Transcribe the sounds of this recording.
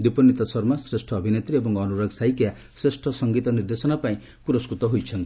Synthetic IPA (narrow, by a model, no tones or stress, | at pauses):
d̪ipɔnjit̪ɔsɔɾmasɾesʈʰɔːbʱinet̪ɾiebɔŋkːnuɾoɡsajkja | sɾesʈʰʌsʌŋɡit̪ɔniɾd̪esɔnapaĩ | puɾɔskɾut̪ɔɦujt͡ʃʰʌnt̪i